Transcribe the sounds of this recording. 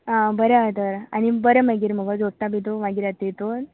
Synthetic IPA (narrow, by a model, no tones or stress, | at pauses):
ãbəɾeat̪əɾa̰ñibəɾəməɡiːɾm̤əɡəd͡zoɽʈ̪abit̪omaɡiɾat̪it̪o